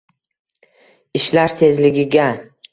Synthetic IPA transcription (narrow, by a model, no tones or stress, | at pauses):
ɪʃlaɾt̪ʰe̞zlɪɡʲɪɡʲa